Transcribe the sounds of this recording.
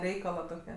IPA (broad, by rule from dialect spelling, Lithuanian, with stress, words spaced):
ˈrʲɛɪkɐlˠɐ toːˈkʲɛ